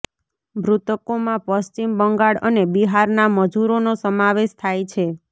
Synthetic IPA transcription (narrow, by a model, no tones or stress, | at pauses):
bʱɾut̪əkomãpəst͡ʃimbəŋɡaɽənebiɦaɾnaməd͡ʒuɾonosəmaʋeʃt̪ʰajt͡ʃʰe